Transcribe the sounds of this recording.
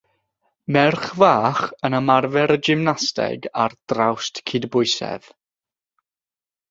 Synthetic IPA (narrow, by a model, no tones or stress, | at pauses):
mɛrχvaːχənəmarvɛɾəd͡ʒɪmnastɛ̰ɡard̥rawstkʰidbʊɨsɛ̰ð̥